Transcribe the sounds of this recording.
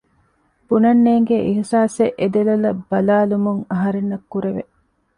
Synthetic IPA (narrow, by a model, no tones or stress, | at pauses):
b̥unɐnːeːŋɡeʔiɦsaːseʔed̪elɐlɐb̥ːɐlaːlumuŋɐɦɐɾenːɐkːuɾeʋḛʔ